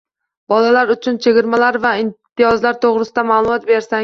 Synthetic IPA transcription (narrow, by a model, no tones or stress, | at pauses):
bɒlalaɾʊt͡ʃʰʊnt͡ʃʰeɡʲɪɾmalaɾvaɪmt̪ʰːɪjɒzlaɾt̪ʰoʁɾɪsɪd̪amalˠʊmɒt̪be̞ɾsa